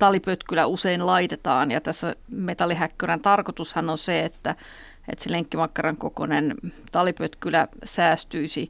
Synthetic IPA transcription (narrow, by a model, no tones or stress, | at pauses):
t̪ɑlipøt̪kylæuseinlɑit̪et̪ɑːnjɑ̰t̪æsːæmet̪ɑlːˑiɦækːørænt̪ɑrkot̪ushɑnonseet̪ːæ | ḛt̪seleŋkːimɑkːɑrɑŋkoko̰nent̪ɑlipøt̪kylæsæːst̪yisi